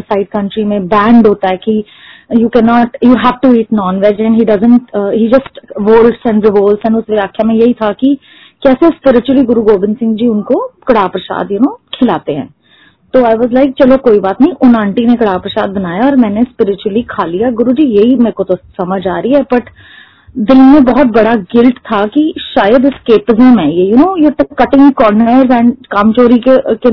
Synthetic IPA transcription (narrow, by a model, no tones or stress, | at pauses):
saɪɖ̚kɐ̃ɳʈɾimẽbɛ̃ːɳɖɦoːt̪aɦɛki | jukɛnɔːʈjuɦæʋʈuiːʈnɔːnʋɛd͡ʒɛ̃ɳɖɦiːɖɐzə̃ɳʈɦid͡ʒɐsʈʋoːlʈsɛ̃ɳɖɾɪʋoːlsɛ̃ɳɖʊsʋɪaːkʰjamẽjɐɦit̪ʰaki | kɛːsespɪɾɪt͡ʃuwəliɡʊɾuɡoːbɪ̃nsɪ̃ŋɡd͡ʒiːʊnkokɐɽaːpɾɐsa̰ːd̪jɪnõːkʰɪlaːt̪eɦɛ̰̃ː | t̪oːaɪʋɔːzlaɪk̚t͡ʃɐlokoːibaːt̪nɐɦĩʔʊnãːɳʈinekɐɽaːpɾəsaːd̪̚bɐnaːjaɔːɾmɛ̃ːnespɪɾɪt͡ʃuwəlikʰaːlijaɡʊɾud͡ʒiːjeɦimɛ̃ːkot̪osɐməd͡ʒaːɾiɦɛbɐʈ | d̪ɪlmẽbɐɦɔt̪̚bɐɽaɡɪlʈt̪ʰakiʃaːjəd̪ɪskeːpɪzəmɦɛ̃jejʊnõːjeʈkɐʈɪ̃ŋkɔːɾnəɾzɛ̃ːɳɖkaːmt͡ʃoːɾikeke